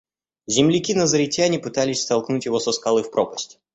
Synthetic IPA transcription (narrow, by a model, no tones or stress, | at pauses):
zʲɪmlʲɪkʲinəzəɾʲɪtʲanʲɪpɨt̪alʲɪsʲst̪ɐlˠknutʲjɪvosəskɐlˠɨfpɾopəsʲtʲ